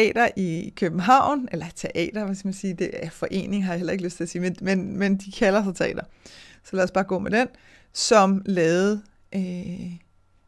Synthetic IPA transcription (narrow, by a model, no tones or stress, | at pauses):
ɛ̰ːd̥ɐʔikʰøb̥n̩ɦɑ̈ʊ̰nelɐt͡sʰeʔɛ̰ːd̥ɐʋæsɡ̥əmænsiːd̥eæfɒ̽ʔe̝̰ːne̝ŋɦɑ̈jɑ̈el̰ɐe̝ɡ̥løsd̥t͡sʰe̝æɐsiːmenmenmend̥ikʰælɐs̬ɑt͡sʰe̝ɛ̰ːd̥ɐsɒ̽læɒsb̥ɑ̈ːɡ̥ɔ̰̽ːmed̥en | sɒ̽mlɛːð̩ˠ | ʔø